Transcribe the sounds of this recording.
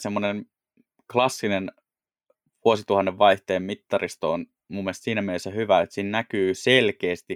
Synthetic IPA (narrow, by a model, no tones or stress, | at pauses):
semːonen | klɑsːinen | ʋuosit̪uhɑnːeʋʋɑiht̪eːmmit̪ːɑrist̪oon | mumːest̪siːnæmenesːæhyʋæet̪siːnnækyːselkeːst̪i